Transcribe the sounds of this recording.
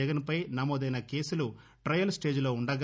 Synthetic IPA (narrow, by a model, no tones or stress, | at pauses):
ɛɡɐnpɐjnɐmoːd̪ɐjnɐke̞ːsulu | ʈɾɐjɐlsʈe̞ːd͡ʒulo̞ːuɳɖɐɡ